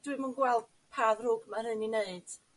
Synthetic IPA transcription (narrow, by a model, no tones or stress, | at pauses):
d̥wɨmənɡwɛlˠd̥ | pʰaːðrʊɡmaɾɨnineɨd̥